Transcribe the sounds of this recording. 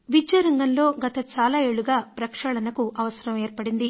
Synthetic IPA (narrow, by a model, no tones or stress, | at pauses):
ʋid͡ʒɐɾɐŋɡɐnlo̞ːɡɐt̪ɐt͡ʃaːlaːeːɭuɡaːpɾɐkʂɐɭɐnɐkuʔɐʋɐsɐɾɐmeːɾpɐɽind̪i